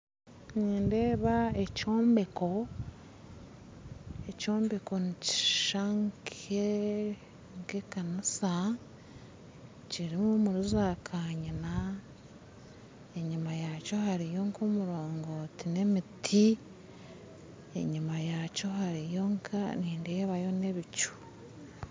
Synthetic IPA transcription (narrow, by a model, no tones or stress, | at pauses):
niːndeːβae̞co̞ːmbe̞ko̞ | eco̞ːmbe̞ko̞nici̥ʃaŋkʰe | ŋkekanisa | ciɾimumuɾuzakʰaːɲina | e̞ɲimajaco̞haɾijo̞ŋkʰomuɾo̞ːŋɡotine̞mitʰi | ḛɲimajaco̞haɾijo̞ŋkʰa̰niːndeβajo̞ne̞βicu̥